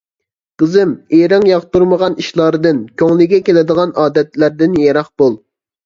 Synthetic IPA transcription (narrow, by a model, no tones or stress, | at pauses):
qəzɨmeɾɪŋjɑʁt̪uɾməʁɑniʃlˠɑːɾɨd̪ɨnkʲʰøŋlˠɪɡʲɛkʲelɪd̪əʁɑnɑːd̪ɛt̪læɾd̪ɪnjɛɾɑχb̥olˠ